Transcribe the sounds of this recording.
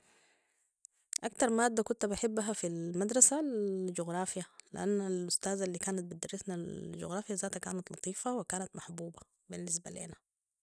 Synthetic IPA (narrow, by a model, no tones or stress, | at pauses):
ʔakt̪ɑɾˤmaːd̪ːakʊnt̪bɪħɪbːaɦafilmad̪ɾˤɑsald͡ʒuɣɾˤɑːfjalɪ̰ʔanːalʔʊst̪aːzalːiːkaːnat̪̚bɪd̪ɑrˤːɪsnad͡ʒṵɣɾˤɑːfjːazaːt̪akaːnat̪lɑt̪ˤiːfɑwɪkaːnat̪maħbuːba | bɪnːɪs̬balḛːna